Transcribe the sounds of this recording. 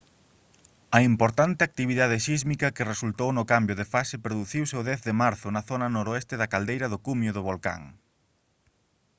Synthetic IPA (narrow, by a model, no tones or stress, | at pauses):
ɐimpoɾt̪ant̪ɪak̚t̪iβiðað̞ɪʃizmikɐkɪresult̪ownʊkambjʊðefasepɾoðuθiwseʊðɛθðɪmaɾθʊnɐθonɐnoɾoɛst̪ɪðɐkald̪ejɾɐðʊkumjʊðʊβolka̰ŋ